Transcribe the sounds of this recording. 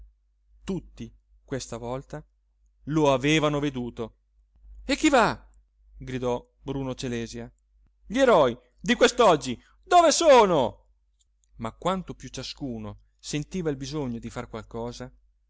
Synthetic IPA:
t̪ut̪ːi | kwest̪avɔlt̪a | loaveːvanoved̪uːt̪o | ekːiva | ɡɾid̪ɔ | bɾuːnot͡ʃelɛːzja | ʎeɾɔj | d̪ikwest̪ɔd͡ʒːi | d̪oːvesoːno | makːwant̪opjut͡ʃaskuːno | sent̪iːvailbizoɲːod̪ifarkwalkɔːza

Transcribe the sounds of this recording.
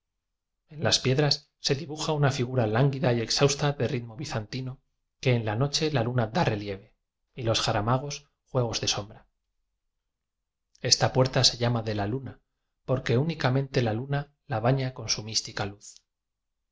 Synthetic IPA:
e̞nlaspje̞ðɾasːe̞ðiβuxaunafiɣ̞uɾalaŋɡiðaie̞ksawst̪aðe̞riðmo̞βiθant̪ino̞ | ke̞ːnlano̞t͡ʃe̞lalunad̪are̞lje̞β̞e̞ | ilo̞sxaɾamaɣ̞o̞s | xwe̞ɣ̞o̞zðe̞so̞mbɾa | e̞st̪apwe̞ɾt̪ase̞ʎamaðe̞laluna | po̞ɾke̞unikamẽ̞nt̪e̞laluna | laβaɲako̞nsumist̪ikaluθ

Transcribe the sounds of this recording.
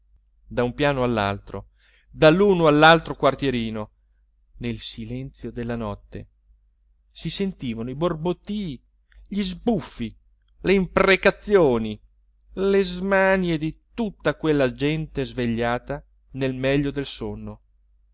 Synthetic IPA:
d̪aumpjaːnoalːa̰lt̪ɾo̰ | d̪alːuːnoalːalt̪ɾokwart̪jeɾiːno | nelsilɛnt̪sjod̪elːanɔt̪ːḛ | sisent̪iːvanoiborbot̪ːi | ʎizbufːi | leimprekat̪sːjoːni | lezmanjed̪it̪ut̪ːakwelːad͡ʒɛnt̪ezveʎːaːt̪a | nelmɛʎːod̪elsonːo

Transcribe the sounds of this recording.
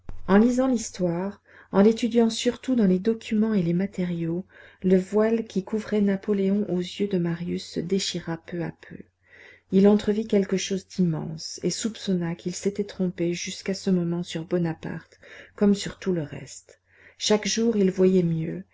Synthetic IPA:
ɑ̃lizɑ̃list̪waʁ | ɑ̃let̪yd̪jɑ̃syʁt̪ud̪ɑ̃led̪ɔkʲʰymɑ̃elemat̪eʁjoləvwalkʲʰikʰuvʁɛnapɔleɔ̃ʔozjød̪əmaʁjysːə̰d̪eʃiʁapøa̰pʰø̰ | ilɑ̃t̪χəvikʲɛlkəʃozd̪imɑ̰̃sesupsɔnakʲilset̪ɛt̪χɔ̃peʒyskasəmɔmɑ̃syʁbɔnapa̰ʁt̪kɔmsyʁt̪uləʁɛ̰st̪ | ʃakʒuʁilvwajɛmjø

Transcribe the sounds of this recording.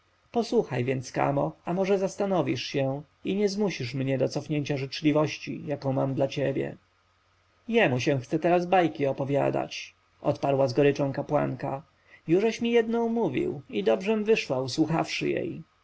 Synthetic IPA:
pɔswuxajvʲjɛnt̪ska̰mɔamɔʐɛzast̪anɔvʲiʂɕɛ | iɲɛzmuɕiʂmɲɛd̪ɔt̪sɔfɲeɲt͡ɕaʐɘt͡ʂlʲivɔɕt͡ɕḭjakɔ̃w̃mamd̪lat͡ɕebʲjɛ̰ | jɛmuɕɛ̃w̃xt̪sɛt̪ɛɾazbajkʲiɔpɔvʲja̰d̪a̰t͡ɕ | ʔɔ̰t̪paɾwazɡɔɾɘt͡ʂɔ̃w̃kapwa̰ŋka | juʐɛɕmʲijɛd̪nɔ̃w̃muvʲḭwid̪ɔbʐɛmvɘʂwauswuxafʂɘ̰jḛj

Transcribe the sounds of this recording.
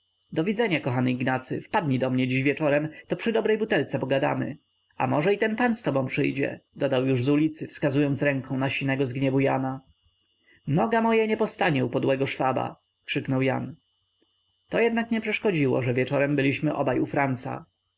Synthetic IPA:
d̪ɔvʲid̪zɛɲakɔxanɘiɡnat̪sɘ̰fpad̪ɲid̪ɔmɲɛd͡ʑiʑvʲjɛt͡ʂɔɾɛmt̪ɔpʂɨd̪ɔbɾɛjbut̪ɛlt̪sɛpɔɡad̪a̰mɘ̰ | a̰mɔʐɛit̪ɛnpanst̪ɔbɔ̃w̃pʂɘjd͡ʑɛ̰d̪ɔd̪awjuʐzulʲit̪sɘfskazujɔnt̪sɾɛŋkɔ̃w̃naɕinɛɡɔzɡɲɛbujana | nɔɡamɔjaɲɛpɔst̪aɲɛupɔd̪wɛɡɔʂfaba̰ | kʂɘknɔwja̰n | t̪ɔjɛd̪nakɲɛpʂɛʂkɔd͡ʑiwɔ̰ʐɛvʲjɛt͡ʂɔɾɛmbɘlʲiɕmɘʔɔ̰bajufɾant̪sa̰

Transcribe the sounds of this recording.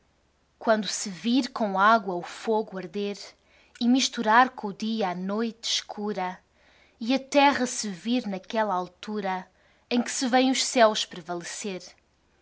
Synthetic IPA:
kwɐ̃nd̪usɨviɾkõw̃aɣwɐufoɣuɐɾðeɾ | imiʃt̪uɾaɾkõuðiɐanojt̪ʃkʰuɾɐ | iɐt̪ɛʁɐsɨviɾnɐkɛlˠɐalˠt̪uɾɐ | ẽj̃kɨ̥sɨvẽj̃uʃsɛwʃpɾɨvɐlˠɨseɾ

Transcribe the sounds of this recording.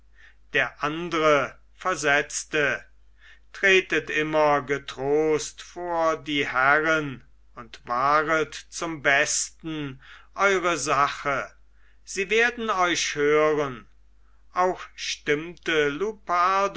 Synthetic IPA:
d̥eːɐʔandəʁə | fɛɐzɛt͡stə | tʁ̥eːtətʔɪmɐɡətʁ̥oːstfoːɐdiːhæʁən | ʊntv̥aːʁətt͡sʊmbɛstn̩ʔɔʏʁəzaχə | z̥iːveːɐdn̩ɔʏʃhøːʁən | ʔaʊxʃtɪmtəlupad

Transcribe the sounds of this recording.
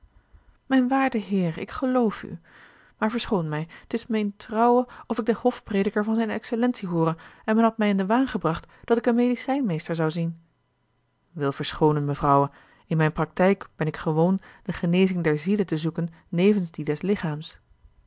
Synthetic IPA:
mɛjnʋaːɹdəɦɪːɹɪ̰kχəlowfy̰ | maːɹvəɹsχownmɛjətɪsmɛjntrɑwəɔfɪɡ̚dəhɔfprejdəkəɹvɑnzɛjnɛ̰ksəlɛnsiɦuːɾəɛnmɛnɦɑtmɛjɪndəʋaːnχəbrɑχtd̥ɑtɪkənmejdisɛjnmejstəɹzɑwzin | ʋɪlˠv̥əɹsχownənməvrɑwə | ɪnmɛjnprɑk̚tɛjkb̥ɛnɪkχəʋownd̥əχənejzɪŋdɛɹzilətəzukənː | ejvənzdidɛslɪχaːms

